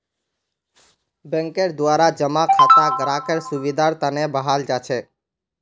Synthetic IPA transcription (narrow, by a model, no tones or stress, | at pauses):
bə̃ŋkeɾd̪ʋaɾad͡ʒəmãkʰat̪ãɡəɾakəɾsuʋid̪aɾt̪anebəɦald͡ʒat͡ʃʰe